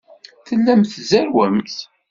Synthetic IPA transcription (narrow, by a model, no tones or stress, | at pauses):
θəlːæmθzæɾwæmθ